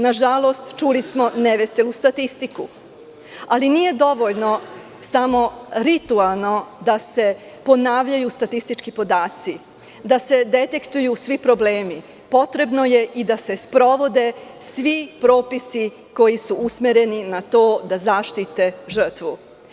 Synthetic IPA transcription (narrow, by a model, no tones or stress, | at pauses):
naʒalo̞st̪t͡ʃulismo̞neʋese̞lust̪at̪ist̪iku | alinije̞d̪o̞ʋo̞ʎno̞ | samo̞ɾit̪ualˠno̞d̪ase̞ | po̞naːʋʎajust̪at̪ist̪it͡ʃkipo̞d̪aːt̪si | d̪ase̞d̪e̞t̪e̞kt̪ujusʋipɾo̞ble̞ːmi | po̞t̪ɾe̞bno̞je̞ʔid̪ase̞spɾo̞ʋo̞d̪e̞sʋipɾo̞ːpisi | ko̞jisuusmeɾe̞ninat̪o̞ːd̪azaʃt̪it̪e̞ʒr̩t̪ʋu